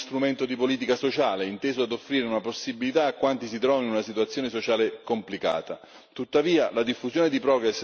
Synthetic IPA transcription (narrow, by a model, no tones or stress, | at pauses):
st̪ɾument̪od̪ipoliːt̪ikasot͡ʃaːleint̪eːzoad̪ofːɾiːɾeunaposːibːilit̪aːkːwant̪isit̪ɾɔːvininunasit̪uat̪sːjoːnesot͡ʃaːlekomplika̰ːt̪a | t̪ut̪ːaviːalad̪ifːuzjoːned̪ipɾɔːɡɾesː